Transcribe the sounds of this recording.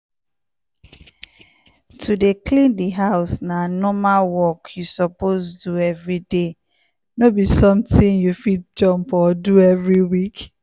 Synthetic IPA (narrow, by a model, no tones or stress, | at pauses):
tʰudeklĩndiɦaʊsnanɔmalwɔkjusɔposduɛvɹide | nobisɔ̃mtĩnjufit̚d͡ʒɔ̃mpɔduɛvɹiwik